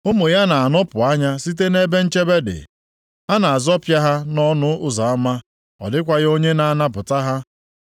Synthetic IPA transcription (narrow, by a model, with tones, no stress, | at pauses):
ʊ˦mu˨ja˦na˨a˨nɔ˦pʊ˨a˦ɲa˦si˦t̬e˦ne˦be˦n̩˦t͡ʃe˦be˦dɪ̰˨ | a˦na˨a˨zɔ˦pja˦ɦa˦nɔ˦nʊ˦ʊ˦za˨a˦ma˦ | ɔ̰˨dɪ˦kʷa˦ɣo˦ɲe˦na˨na˦pʊ˨ta˦ɦa˦